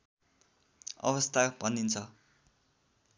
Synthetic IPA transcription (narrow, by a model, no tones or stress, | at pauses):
ʌ̰βʌst̪ʰabʱʌnːint͡sʰʌ